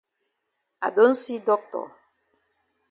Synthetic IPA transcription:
a̰˨do˨˦n̩˦si˦dɔ˦k̚tɔ̰˨

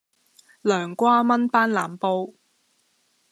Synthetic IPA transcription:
lœː˨˩ŋkʷaː˥mɐ˥npaː˥nlaː˨˩mpo˧˥w

